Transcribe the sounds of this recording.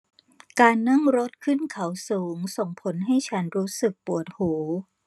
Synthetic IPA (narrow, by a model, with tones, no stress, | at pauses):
kaː˧nːa˥˩ŋɾo˦˥t̪̚kʰɯ˥˩nkʰa˨˩˦wsuː˩˦ŋso˨˩ŋpʰo˨˩˦nɦa˥˩jt͡ɕʰa˦˥nɾuː˦˥sɯ˨˩k̚pu˨˩ət̪̚hoː˩˦